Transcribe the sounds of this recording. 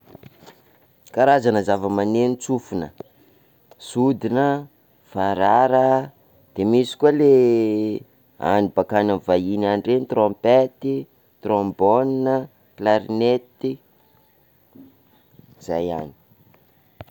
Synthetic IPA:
kaɾazanəzavəmanenit͡sufunə̰ | sud̪inə | faɾaɾə | d̪̥emisi̥kuale | a̰nibakananvainanɖ͡ʐenit̪rompet̪i | t̪rombɔninə | klaɾnet̪i | z̥a̰ja̰ni̥

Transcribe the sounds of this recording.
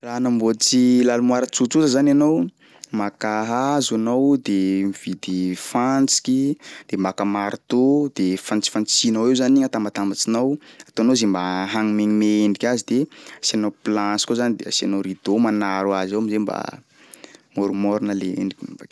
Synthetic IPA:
ranambot͡silalumwaɾət͡sut͡sut̪əzananow | makaɦazanowd̪emiv̥id̪ifant͡si̥kʲid̪̥emakəmaɾt̪od̪̥efant͡si̥fant͡sinawewzaniŋat̪ambat̪ambat͡sinawat̪oanozembaɦaŋimeɲimeeɳɖ͡ʐikʲazid̪easanowplãsi̥kozanid̪easanoɾid̪omanaɾwazawamizemba̰ | moɾumoɾunəleḛndikʲibak

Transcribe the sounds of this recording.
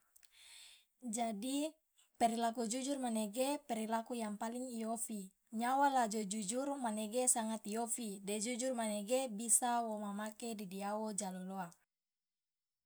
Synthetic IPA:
d͡ʒadi | pɛɾilakud͡ʒud͡ʒurmanɛɡepɛɾilakujaŋpaliŋijofi | ɲawalad͡ʒod͡ʒud͡ʒurmanɛɡesaŋat̪ijofidɛd͡ʒud͡ʒurmanɛɡebisawomamakedidiawod͡ʒaloloa

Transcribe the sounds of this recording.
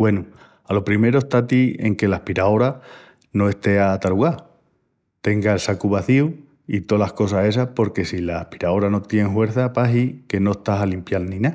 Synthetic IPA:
we̞nu | alo̞pɾime̞ɾoeht̪at̪ie̞̰ŋke̞lahpiɾao̞ɾa | no̞e̞st̪e̞aːt̪aluɣa | t̪e̞ŋɡaelsakuβ̞aθiu | it̪o̞lahko̞sase̞s̬apo̞ɾke̞silaːhpi̥ɾao̞ɾano̞t̪je̞ŋɦwe̞ɾθapaɦike̞no̞eht̪aɦalimpjalnĩna

